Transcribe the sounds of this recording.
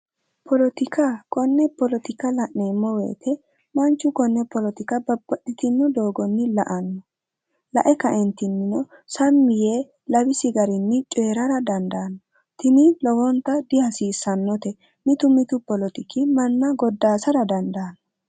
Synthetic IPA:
pɔlɔt̪ɪkakɔnːɛpɔlɔt̪ɪkɐlɐʔneːmːɔwḛːt̪ʰɛ | mɐnt͡ʃːʊkɔnːɛpɔlɔt̪ɪkɐbɐbːɐɗːɪt̪ɪnːɔd̪o̞ːɡɔnːɪlɐʔɐnːɔ | lɐ̰ʔɛkɐʔɛnt̪ɪnːɪnɔsɐmːɪjeː | lɐbɪsɪɡɐɾɪnːɪt͡ʃʼeːɾɐɾɐd̪ɐnd̪ɐːnːɔ | t̪ɪnɪlɔwɔnt̪ɐd̪ɪhɐsiːsːɐnːɔt̪ɛ | mɪt̪ʊmɪt̪ʊpɔlɔt̪ɪkɪmɐnːɐɡɔd̪ːaːsɐɾɐd̪ɐnd̪aːnːɔ

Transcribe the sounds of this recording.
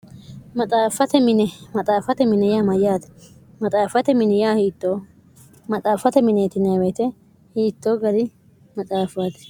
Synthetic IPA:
mɐt̪ʼaːfɐt̪ɛmɪnɛmɐt̪ʼaːfɐt̪ɛmɪnɛjaːmɐjaːt̪ɛ̥ | mɐt̪ʼaːfɐt̪ɛmɪnɛjaːhiːt̪ːoː | mɐt̪ʼaːfɐt̪ɛmɪneːt̪ɪnɐwɛt̪ɛ | hiːt̪ːoːɡɐd̪ɪ | mɐt̪ʼaːfaːt̪ɛ̥

